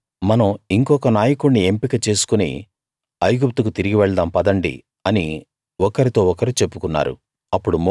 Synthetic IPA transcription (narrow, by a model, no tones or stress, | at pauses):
mɐnɐmiŋkɔːkɐnaːjɐkuɳnie̞mpikɐt͡ʃe̞ːsu̥kunḭ | ɐjɡup̚t̪ukut̪iɾiɡiʋɛɭɐd̪ɐːmpɐd̪ɐɳɖḭ | ɐni | ɔkɐɾit̪o̞ːɔkɐɾit͡ʃe̞pːukunːa̰ːɾṵ | ɐpːuɽum